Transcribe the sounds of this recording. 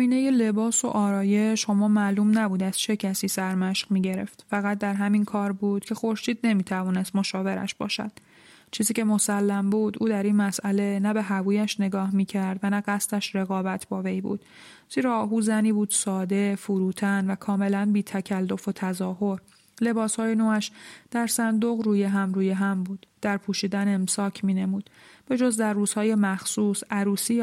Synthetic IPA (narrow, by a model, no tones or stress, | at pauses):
iːne̞jele̞bɒːso̞̰ʔɒːɾɒːje̞ʃo̞mɒːmæluːmnæbuːd̪æz̥t͡ʃʰe̞cʰæsiːsæɾmæʃqmiːɟe̞ɾe̞̰ft̪fæɣæt̪̚d̪æɾɦæminkʰɒːɾbuːd̪̥cʰe̞xo̞ɾʃiːd̪̚ne̞miːt̪ʰævɒːne̞st̪mo̞ʃɒːve̞ɾæ̰ʃb̥ɒ̰ːʃæ̰d̪̥ | t͡ʃʰiːziːcʰe̞mo̞sælːæmbuːd̪ʔuːd̪æɾinmæsʔæle̞næbe̞ɦævuːjæʃne̞ɡɒːhmiːcʰæɾd̪vænæɢæst̪æʃɾe̞ɣɒːbæt̪ʰbɒːve̞jbṵːd̪̥ | z̥iːɾɒːɦuːzæniːbuːd̪̥sɒːd̪e̞fuɾuːt̪ʰænvækʰɒːme̞lænbiːt̪ʰæcʰælːo̞fot̪ʰæzɒːɦo̞ɾ | le̞bɒːshɒːjenoːæʃd̪̥æɾsænd̪o̞ɣɾuːjeɦæmruːjeɦæmbuːd̪̥ːæɾpʰuːʃiːd̪ænemsɒːcʰmiːne̞muːd̪̥b̥e̞d͡ʒo̞zd̪æɾːuːz̥hɒːje̞mæxsuːsæɾuːsiː